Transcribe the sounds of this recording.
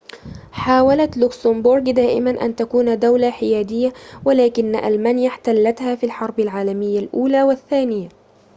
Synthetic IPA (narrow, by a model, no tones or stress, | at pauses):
ħaːwalat̪lʊksambʊɾɡd̪aːʔɪ̰manʔa̰nt̪akuːnd̪awlaħɪjaːd̪ɪjːawalaːkɪnːa̰ʔa̰lmaːnjaħt̪alːat̪haːfilħɑɾˤbalʕaːlamɪjːalʔuːlaːwaθːaːnɪja